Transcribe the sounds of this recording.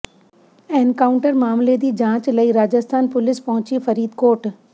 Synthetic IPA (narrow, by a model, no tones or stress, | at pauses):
enkaːʊɳʈəɾmaːmled̪iːd͡ʒãːt͡ʃlɐiɾaːd͡ʒəst̪ʰaːnpʊlɪspɐɦʊ̃t͡ʃifɐɾiːd̪koːʈ